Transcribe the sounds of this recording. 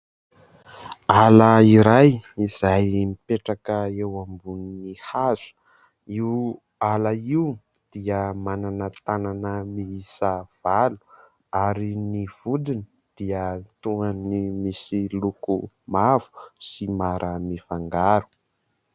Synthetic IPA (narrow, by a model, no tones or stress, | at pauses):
alaiɾajizajmipeʈ͡ʂakəewambuninihaz̥u̥ | iw | alaiw | d̪̥iəmananət̪ananəmiisəv̥alu̥ | aɾiniv̥ud̪ini | d̪̥iət̪uŋanimisiluku | mav̥u̥simaɾʔəmifaŋɡaɾu̥